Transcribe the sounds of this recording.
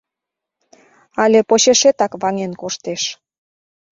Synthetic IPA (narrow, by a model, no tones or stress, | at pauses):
ɑlʲepoɕeʃet̪ɑkβɑŋenkoʃt̪eʃ